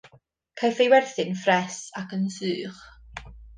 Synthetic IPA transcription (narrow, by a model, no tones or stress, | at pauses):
kʰajfejwɛrθɪnfrɛsakənsɨːχ